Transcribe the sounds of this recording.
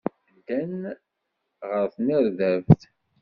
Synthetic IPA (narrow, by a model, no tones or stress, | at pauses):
d̪æn | ʁəɾθniɾðævθ